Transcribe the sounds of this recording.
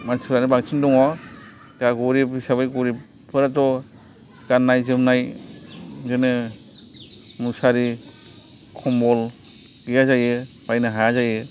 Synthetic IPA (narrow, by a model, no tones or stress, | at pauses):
mansɯɾanibaksʰindɔŋɔ | kaɡuɾipisaβajɡuɾip | pʰɯɾatɔ | kanːajzɯmnaj | zɯnɯ | musaɾi | kʰɔmbɔl | ɡijazajɯ | pajnɯɦazajɯ